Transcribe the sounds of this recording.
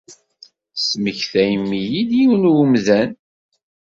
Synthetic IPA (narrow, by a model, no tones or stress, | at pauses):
sməçθæjəmːijid̪jiwnwmðæn